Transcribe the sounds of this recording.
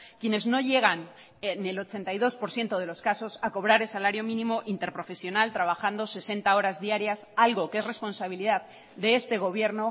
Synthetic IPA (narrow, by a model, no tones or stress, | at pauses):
kje̞ne̞zno̞ʝe̞ɣ̞an | ne̞lo̞t͡ʃe̞nt̪ajðo̞spo̞ɾθje̞nt̪oð̞e̞lo̞skaso̞sako̞β̞ɾaɾe̞lsalaɾjo̞mĩnĩmo̞ʔint̪e̞ɾpɾo̞fe̞sjo̞nalt̪ɾaβ̞axand̪o̞se̞se̞nt̪ao̞ɾazðiaɾjasalɣo̞keesre̞spo̞nsaβiliðað | d̪e̞est̪e̞ɣ̞o̞βje̞ɾno̞